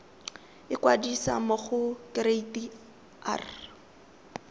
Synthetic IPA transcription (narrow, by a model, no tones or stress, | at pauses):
ɪkwadisa̰mʊχʊkreiti | a̰r